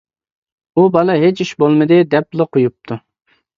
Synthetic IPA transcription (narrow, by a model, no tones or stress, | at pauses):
ubɑlˠɨɦet͡ʃiʃbolˠmɨd̪ɨd̪ɛplˠɨqʰojup̚t̪ʰu